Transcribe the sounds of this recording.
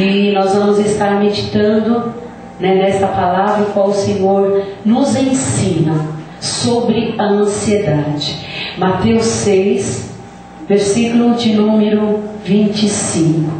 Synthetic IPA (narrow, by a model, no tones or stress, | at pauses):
ɪnɔzvɐ̃mʊzɪst̪aɾmed͡ʒit̪ɐ̃nd̪ʊ | nɛnɛst̪ɐpalavɾɐkwawʊsẽɲoɾnʊzẽsĩnɐ | sobɾɪɐɐ̃sied̪ad͡ʒɪmat̪ewsejs | veɾsikulʊd͡ʒɪnũmeɾʊvĩnt͡ʃɪsĩkʊ